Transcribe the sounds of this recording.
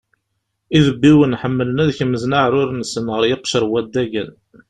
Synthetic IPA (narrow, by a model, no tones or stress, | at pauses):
iðəbːiwənħəmːələnæðçəmːəznaʕɾʊɾnsənʁəɾjɪqʃəɾˤwæd̪ːæɡən